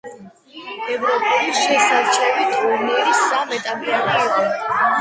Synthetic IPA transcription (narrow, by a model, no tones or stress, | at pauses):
ɛvɾɔpʼɛlisʃɛsaɾt͡ʃʰɛvit̪ʰuɾniɾisamɛt̪ʼapʼapʼaɾɛbɛn